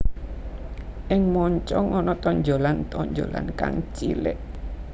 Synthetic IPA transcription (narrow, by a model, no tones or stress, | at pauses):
ʔɪŋmɔɲt͡ʃɔŋɔnɔt̪ɔɲd͡ʒo̤lant̪ɔɲd͡ʒo̰la̰nka̰ŋt͡ʃḭlɪ̰ʔ